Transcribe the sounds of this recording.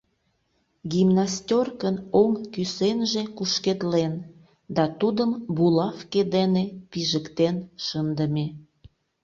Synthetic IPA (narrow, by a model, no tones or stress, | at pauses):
ɡimnastʲorkənoŋkysenʒekuʃked̪len | d̪ɑt̪ud̪əmbulɑfked̪enepiʒəkt̪enʃənd̪əme